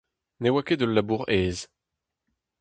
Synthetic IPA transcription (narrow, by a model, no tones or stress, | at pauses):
newakʲed̪əlːabuʁɛːz